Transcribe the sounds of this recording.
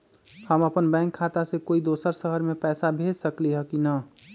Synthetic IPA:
həməpənbɛ̃ŋkʰːat̪asẽkoid̪osəɾsəɦəɾmepɛːsabʱed͡ʒsəkliɦəkinə

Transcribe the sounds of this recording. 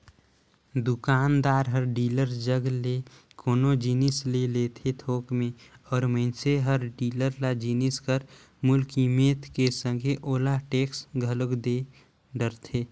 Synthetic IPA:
d̪ukaːnd̪aːɾɦəɾɖiːləɾd͡ʒəɡle | koːnod͡ʒinislelet̪ʰet̪ʰoːkmẽɔːɾməɪnseɦəɾɖiːləɾlad͡ʒiniskəɾ | mʊlkimeːt̪ʰkesə̃ŋɡʱeʔoːlaʈeːksɡʱələɡd̪e | ɖəɾt̪ʰe

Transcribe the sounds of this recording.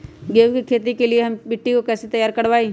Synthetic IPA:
ɡeːwkikʰeːt̪̬ikelieɦɐmbɪʈːikokɛːset̪ɐjaːɾkɐɽʋaːiː

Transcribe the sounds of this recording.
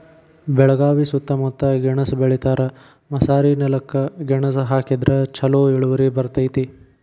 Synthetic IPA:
bɛɭɐɡaːʋisut̪ːɐmut̪ːɐɡɛɳɐsbeɭit̪aːɾɐ | mɐsaːɾinɐlɐkːɐɡɛɳɐsɐɦaːkid̪ɾɐt͡ʃʰɐloːiɭuʋɐɾibɐɾt̪ɐjt̪i

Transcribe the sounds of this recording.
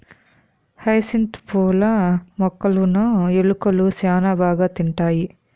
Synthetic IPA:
hɐjsint̪poːlɐmɔkːɐlunɐeɭukɐlusjaːnɐbaːɡɐt̪iɳʈaːji

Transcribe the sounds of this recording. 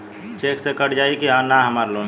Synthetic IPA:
t͡ʃeːksekəʈd͡ʒaːikiɦãnaɦəmaːɾloːn

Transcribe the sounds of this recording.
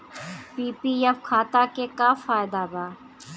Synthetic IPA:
piːpijɛfkʰaːt̪akekafaːjd̪abaː

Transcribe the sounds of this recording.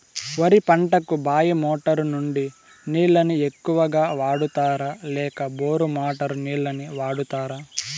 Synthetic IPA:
ʋɐɾipɐɳʈɐkubaːjɐmoːʈɐɾunuɳɖi | niːɭːɐnie̞kːuʋɐɡaːʋaːɽut̪aːɾalɛːkɐboːɾumaːʈɐɾuniːɭːɐniʋaːɽut̪aːɾaː

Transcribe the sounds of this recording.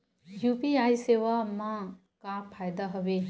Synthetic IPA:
jupiajseːʋamã | kapʰaːjd̪aɦɐʋe

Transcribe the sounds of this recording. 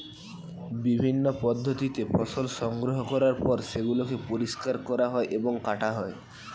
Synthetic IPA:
bibʱinːopɔd̪ʱːot̪it̪epʰɔsolʃɔŋɡɾoɦokɔɾaɾpɔɾseɡulokepoɾiskaɾkɔɾaɦɔeʔeboŋkaʈaɦɔe

